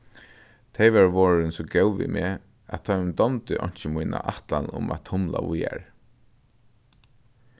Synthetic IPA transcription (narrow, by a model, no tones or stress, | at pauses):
t̪ʰajʋaɹʋɔːɹɪnsɔɡɛwʋḭmɛː | at̪ʰajmd̪ɔmt̪ɪʔɔɲ̥t͡ʃɪmujnaʔaht̪lanʊ̰mat̪ʰhʊmlaʋʊjaɹ